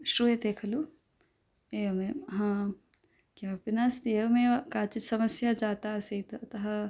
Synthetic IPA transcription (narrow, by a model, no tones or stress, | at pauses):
ʃɾuːjed̪eːkʰɐlu | eːmẽɦãː | kjaːpɪnast̪eːmẽkaːt͡ʃit̪sɐmɐsjad͡ʒaːt̪aseit̪ɐt̪ɐɦɐ